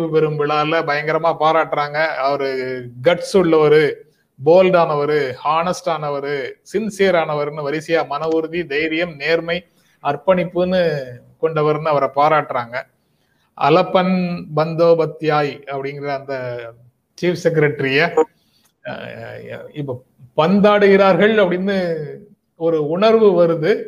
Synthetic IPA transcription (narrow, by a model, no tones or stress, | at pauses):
ʋɯpɛɾɯmʋɪɭaːlɐbɐjɐŋɡɐɾɐmaːpaːɾaːʈːɾaːŋɡɐːʋɐɾɯɡɐʈsɯɭːɐʋɐɾɯ | boːlɖaːnɐʋɐɾɯhaːnɐsʈaːnɐʋɐɾɯsɪnseːɾaːnɐʋɐɾɯnɯʋɐɾɪsɪjaːmɐnɐʋɯɾɯðid̪ɐjɾɪjɐmneːɾmɐɪ | ɐɾpɐɳɪpːɯnːɯ | kɔɳɖɐʋɐɾɯnɯɐʋɐɾɐpaːɾaːʈːɾaːŋɡɐ | ʔɐ̰lɐpːɐnbɐnd̪oːbɐt̪ːɪjaːjɐpːɐɽɪŋɡɪɾɐːnd̪ɐ | t͡ʃiːfsɛk̬ɐɾɐʈːɾɪjɐ | ɪpːoː | pɐnd̪aːɽɯɣɪɾaːɾɣɐɭɐpːɐɽɪnd̪ɯ | ɔɾɯʊɳɐɾʋɯʋɐɾɯðɯ